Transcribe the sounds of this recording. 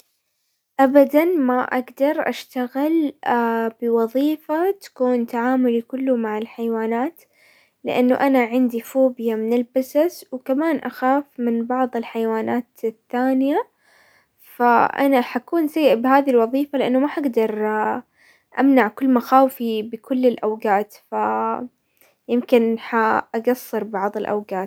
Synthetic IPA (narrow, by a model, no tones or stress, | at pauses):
ʔabad̪anmaʔaɡd̪ɑɾˤʔaʃt̪aɣɪl | bɪwɑðˤiːfat̪ḁkuːnt̪aʕaːmʊlikʊlːumaʕɪlħajwaːnaːt̪ | lɪ̰ʔanːuʔanaʕɪnd̪ifuːbɪjamɪnɪlbasaswkamaːnʔaxaːfmɪnbɑʕðˤɪlħajwaːnaːt̪θːaːnɪja | faʔa̰naħakuːnsajːɪʔbɪɦaːðilwɑðˤiːfalɪʔanːumaħaɡd̪ɑɾˤ | ʔa̰mnaʕkʊlːmaxaːwfibɪkʊlːɪlʔawɡaːt̪fa | jɪmkɪnħaʔaɡɑsˤːɨɾˤbɑʕðˤɪlʔa̰wɡaːt̪